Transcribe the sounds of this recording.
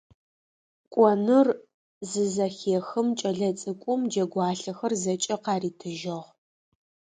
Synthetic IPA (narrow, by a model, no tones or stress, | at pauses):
kʷʼɔnɨr | zɨzɐxeːxɨmt͡ʃʼɐɮɐt͡sʼɨkʷʼʊmd͡ʒɐɡʷɑːɬɐxɐrzɐt͡ʃʼɐqɑːriːtʰɨʒɐʁ